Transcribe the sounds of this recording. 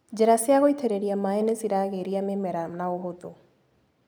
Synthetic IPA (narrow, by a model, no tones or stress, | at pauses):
d͡ʒɛɾasiaɣoit̪ʰɛɾeɾijamaenesiɾaɣeɾijamemɛɾamnaoɦot̪u